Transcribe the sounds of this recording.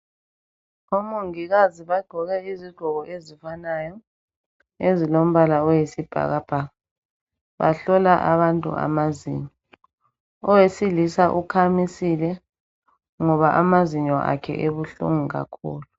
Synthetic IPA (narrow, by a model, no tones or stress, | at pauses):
omuŋiɣaziβaɡ͡ǃʱɔɣɛiziɡ͡ǃ̥ʱɔɣɔʔezifanajɔ | ezilom̩βalaɔjesib̥ʱa̰ɣab̥ʱaɣa | βa̰ɬɔlaʔa̰βantʼṵa̰mazḭːɲɔ | ɔwesilisaʔukʰamisilɛ | ŋɔβaʔamaziɲɔʔa̰kʰɛ̰ʔeβuɬṵŋuɣa̰kʰṵːlu